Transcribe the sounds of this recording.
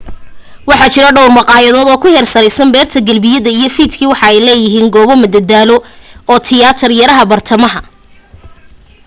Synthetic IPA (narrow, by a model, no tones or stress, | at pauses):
wɑħɑt͡ʃɪɾɐɖɐwrmɑqɑːjɐðɔːd̪ɔːkʰʊhɛrsɐɾɛjsɐmbɛːrt̪ʰɐɡɐlbɪjɐðɐijɞfiːd̪kʰiːwɑħɑɛjlɛːjɪɦiːŋɡɔːβɔmɐd̪ɐd̪aːlɔɔːt̪ʰɪjaːt̪ʰɪrjɐɾɐɦɐbɐrt̪ʰɐmɐɦɐ